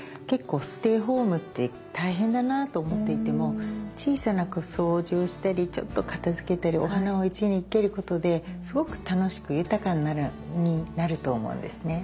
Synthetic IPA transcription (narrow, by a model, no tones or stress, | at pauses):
ke̞kːo̞ːsɨ̥t̪e̞ːɦo̞ːmɯ̟t̪ːe | t̪aiɦẽ̞nd̪anat̪oːmo̞t̪ːe̞it̪e̞mo̞t͡ɕiːsanakoso̞ːʑio̞ɕi̥t̪aɾʲit͡ɕo̞̰t̪ːo̞kat̪azɨke̞t̪aɾʲio̞̰ɦanao̞it͡ɕiɲ̟iːke̞ɾɯ̟ko̞t̪o̞d̪e̞sɨɡo̞kɯ̟̥t̪ano̞ɕi̥kɯ̟jɯ̟t̪akãnːaɾɯɲ̟inaɾɯ̟t̪o̞ːmo̞̰ɯ̰̃nd̪e̞sɨne̞